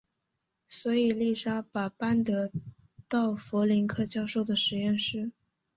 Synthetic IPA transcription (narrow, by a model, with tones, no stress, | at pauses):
swɔ˧˥i˨˩li˥˩ʂa˥pa˨˩pa˥nt̪ə˧˥ | t̪ɑ˥˩ʊfɔ˧˥li˧˥ŋkʰɤ˥˧t͡ɕjɑ˥ʊʂo˥˩ʊd̪ə˩ʂɻ̩˧˥jɛ˥˧nʂɻ̩˥